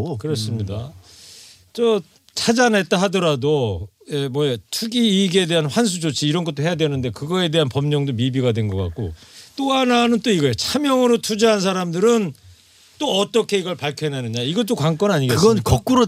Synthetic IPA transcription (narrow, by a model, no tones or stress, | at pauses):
kɯɾʌs͈ɯmɲida | t͡ɕʌ | t͡ɕʰad͡ʑanet͈aɦadʌɾado | jemwʌet͡ɕʰuɡiːɡe̞de̞ɦanɸwans̬ʰud͡ʑot͡ɕʰiːɾʌnɡʌt͈̚oɦe̞jadwenɯnde̞kɯɡʌe̞de̞ɦanpʌmɲʌŋdomibiɡadwe̞nɡʌk͈a̰k̚k͈ot͈oɦananɯnt͈oiɡʌet͡ɕʰamjʌŋɯɾotʰud͡ʑiɦans̬ʰaɾamdɯɾɯn | t͈oʌt͈ʌkʰe̞iɡʌɭpaɭkʰjʌnanɯɲaiɡʌt͈okwaŋk͈ʌnaɲiɡeɯɡʌnkʌk̚k͈uɾo